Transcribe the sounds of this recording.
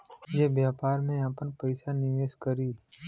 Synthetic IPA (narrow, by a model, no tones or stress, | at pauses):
jebjaːpaːɾmẽapənpəɪsanɪʋeːskəɾiː